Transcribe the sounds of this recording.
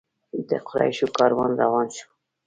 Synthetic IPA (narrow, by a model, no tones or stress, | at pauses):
it̪ɛ̰qʰʊɾɑ̰ːiʃukʰɑːɾwɑnzɑwɑːnʃu̥